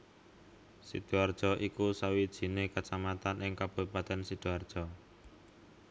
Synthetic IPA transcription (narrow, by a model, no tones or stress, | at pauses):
sḭd̪̥uard̥ʒ̥ɔ̤ʔikusawid̥ʒ̥i̤nekat͡ʃamat̪anʔɪŋkab̥o̤ipat̪ɛnsid̪̥uard̥ʒ̥ɔ